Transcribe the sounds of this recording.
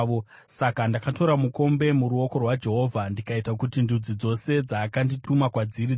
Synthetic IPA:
o | sakandakato̞ɾamuko̞mbe̞muɾuo̞ko̞rwad͡ʒe̞ɦo̞vʱandikaitakutindud͡zid͡zo̞se̞d͡zaːkanditumakwad͡ziɾi

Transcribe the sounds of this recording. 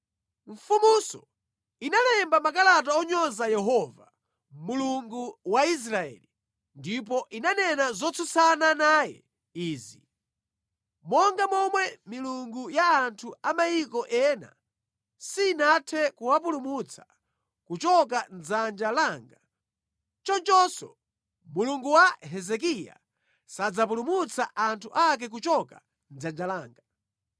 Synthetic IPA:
ɱfumusɔ | inalɛmbamakalat̬aɔɲɔzajɛɦɔva | muluŋɡuwais̬ɾaɛ̰li | ndip̬ɔʔinanɛnazɔt͡sʰusananaːjɛ̰ | iːzi | mɔŋɡamɔmwɛmiluŋɡujaːntʰuamajikɔʔɛːna̰ | sinatʰɛkuwap̬ulumut͡sʰḁ | kut͡ʃɔk̬and͡zand͡ʒalaːŋɡa | t͡ʃɔnt͡ʃɔsɔ | muluŋɡuwaɦɛzɛkija̰ | sad͡zapulumut͡saʔantʰuʔak̬ɛk̬ut͡ʃɔka | nd͡zand͡ʒalaːŋɡa

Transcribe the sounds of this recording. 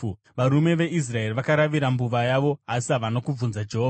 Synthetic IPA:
ʋaɾume̞ʋe̞ʔis̬rae̞riʋakaɾaʋiɾambuʋajaʋo̞asaʋano̞kub͡vunzad͡ʒe̞ɦoːa

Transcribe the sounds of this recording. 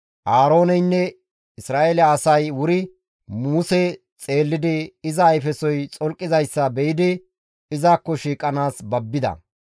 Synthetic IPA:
ʔaːɾo̞ːnɛjnːɛ | ɪsɾaːʔelːsɐjwʊɾɪ | muːsɛ | t͡sʼe̞ːlːɪd̪ɪɪzɐːjfɛsɔjt͡sʼɔlkʼːɪzɐjsːɐbɛjɪd̪ɪ | ɪzaːkːɔʃiːkʼɐnaːsbɐbːɪd̪ɐ̰

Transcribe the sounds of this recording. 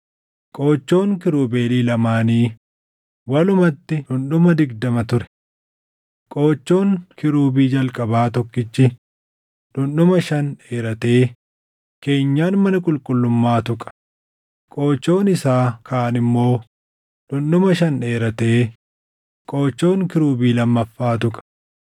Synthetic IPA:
kʼo̞ːt͡ʃːo̞ːŋkɪɾuːbe̞ːliːlɐmaːniː | wɐlʊmɐt̪ːɪᶑʊnɗʊmɐd̪ɪɡd̪ɐmɐt̪ʊɾɛ̥ | kʼo̞ːt͡ʃːo̞ːŋkɪɾuːbiːd͡ʒɐlkʼɐbaːt̪ɔkːɪt͡ʃːɪ | ᶑʊnɗʊmɐʃɐneːɾɐt̪e̞ː | ke̞ːɲːaːnmɐnɐkʼʊlkʼʊlːʊmːaːt̪ʊkʼɐ̥ | kʼo̞ːt͡ʃːo̞ːnɪsaːkʰaːɐnɪmːo̞ː | ᶑʊnːʊmɐʃɐne̞ːɾɐt̪e̞ː | kʼo̞ːt͡ʃːo̞ːŋkɪɾuːbiːlɐmːɐfːaːt̪ʊkʼɐ̥

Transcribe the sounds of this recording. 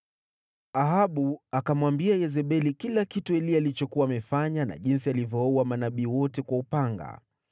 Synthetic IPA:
aɦaɓuakamwambiajɛzɛɓɛlikilakituɛliaːlit͡ʃɔkuwaːmɛfaɲana̰ʄinsialivjɔuwamanaɓiːwɔtɛkwaupaŋɡa̰

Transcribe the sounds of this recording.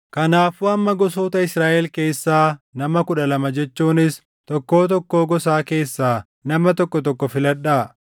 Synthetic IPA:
kɐnaːfuːɐmːɐɡɔsoːt̪ɐɪsɾaːʔɛlke̞ːsːaːnɐmɐkʊᶑɐlɐmɐd͡ʒɛt͡ʃːuːnɪs | t̪ɔkːo̞ːt̪̬ɔkːo̞ːɡɔsaːke̞ːsːaː | nɐmɐt̪ɔkːɔt̪ɔkːɔfɪlɐᶑaː

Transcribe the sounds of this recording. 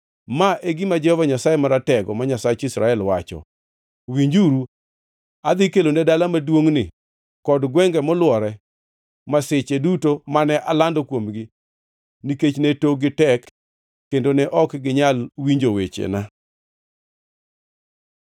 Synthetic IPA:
maʔeɡɪmad͡ʒɛhɔvaɲasajemaɾatɛɡɔmaɲasat͡ʃisɾaɛlwat͡ʃɔ̰ | wiɲd͡ʒuɾu | ad̪ɪkelonɛdalamadwoŋnɪ | kɔdɡwɛŋɡɛmɔlwɔɾɛ | masɪt͡ʃedutomanɛʔalandokwomɡɪ | niket͡ʃnetoɡɪtɛkː | endonɛʔɔkɡɪɲalwiɲd͡ʒowet͡ʃḛna

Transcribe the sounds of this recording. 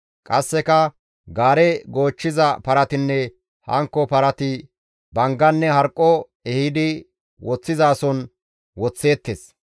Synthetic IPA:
kʼɐsːɛkɐ | ɡaːɾɛɡo̞ːt͡ʃːɪzɐpɐɾɐt̪ɪnːɛ | hɐ̰ŋkːɔpɐɾɐt̪ɪ | bɐŋɡɐnːɛhɐɾkʼːɔ | ɛhɪd̪ɪ | wɔt͡sːɪzaːsɔn | wɔt͡sːe̞ːt̪ːes

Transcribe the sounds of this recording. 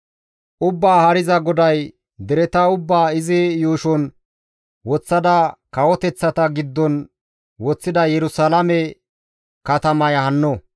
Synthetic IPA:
ʔʊbːaːhɐɾɪzɐɡɔd̪ɐj | d̪ɛɾɛt̪ɐʊbːaːɪzɪjuːʃɔn | wɔt͡sːɐd̪ɐkɐwɔt̪ɛt͡sːɐt̪ɐɡɪd̪ːɔn | wɔt͡sːɪd̪ɐjɛɾʊsɐlɐmɛ | kɐt̪ɐmɐjɐhɐnːɔ

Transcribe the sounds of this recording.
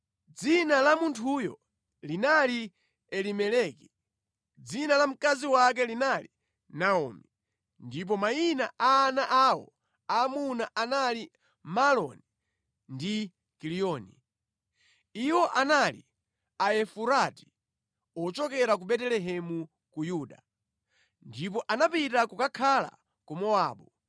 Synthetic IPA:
d͡zinalamuntʰujɔ̰ | linali | ɛlimɛlɛki̥ | d͡zinalam̩kaziwak̬ɛlinali | naɔ̰mi | ndip̬ɔmainaʔaːnaʔawɔ̰ | amunaʔanali | malɔ̰ni | ndi | kilijɔːnḭ | iwɔʔanalḭ | aɛfuɾati̥ | ɔt͡ʃɔkɛɾak̬uɓɛtɛlɛɦɛmu | kujuːɗa | ndip̬ɔʔanapitakukakʰala̰ | kumɔaːɓu

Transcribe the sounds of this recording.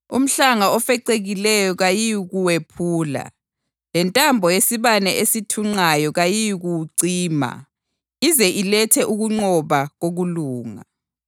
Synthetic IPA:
um̩ɬaŋaɔfɛǀeɣilɛjɔɣajiɣuwepʰuːla̰ | lɛntʼambʱɔjesiβanɛesitʰuŋ͡ǀajɔɣajiɣuǀiːma̰ | izɛʔilɛtʰɛʔuɣuŋ͡ǀɔβaɣoɣuluːŋa̰

